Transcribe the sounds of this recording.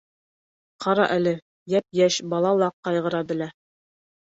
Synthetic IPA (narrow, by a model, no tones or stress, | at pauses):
qʰɑɾɑ̰ʔælɘ | jæp̚jæɕbɑlˠɑlˠɑqɑjʁɤ̆ɾɑbɘ̆læ